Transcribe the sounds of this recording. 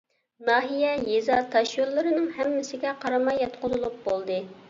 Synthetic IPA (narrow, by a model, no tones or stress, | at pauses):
nɑːɦijɛjezɑt̪ʰːɑʃjolˠːɨɾɨnɨŋhɛmːɪsɪɡʲɛqʰɑɾɑmɑjːɑt̪qʰʊzɨlˠup̚bolˠd̪ɨ